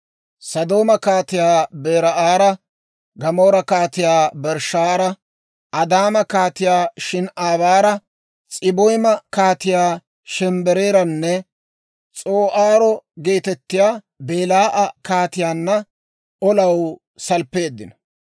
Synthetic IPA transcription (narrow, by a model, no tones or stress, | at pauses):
sɐd̪o̞ːmɐkaːt̪ɪjaːbe̞ːɾɐʔaːɾɐ | ɡɐmo̞ːɾɐkaːt̪ɪjaːbɛɾʃaːɾɐ | ɐd̪aːmɐkaːt̪ɪjaːʃɪnʔaːβaːɾɐ | t͡sʼɪbɔjmɐkaːt̪ɪjaː | ʃɛmbɛɾe̞ːɾɐnːɛ | t͡sʼoːʔaːɾɔɡe̞ːt̪ɛt̪ːɪjaː | be̞ːlaːʔɐkaːt̪ɪjaːnːɐ | ɔlɐw | sɐlpːe̞ːd̪ːɪnɐ̥